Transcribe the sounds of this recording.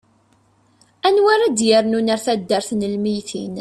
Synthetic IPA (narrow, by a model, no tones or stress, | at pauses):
ænwaɾad̪jəɾnunaɾθæd̪ːəɾθnəlmijθḭn